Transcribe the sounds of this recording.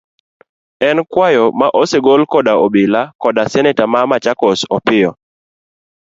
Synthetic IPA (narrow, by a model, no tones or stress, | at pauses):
ɛnkwajɔmaʔoseɡolkɔdaobɪlakɔdasɛnɛtamamat͡ʃakɔsɔpɪɔ